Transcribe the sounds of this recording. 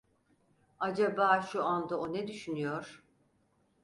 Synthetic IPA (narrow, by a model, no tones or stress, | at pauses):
ad͡ʒabaːʃuand̪aonɛd̪yʃynyjo̞ɾ̥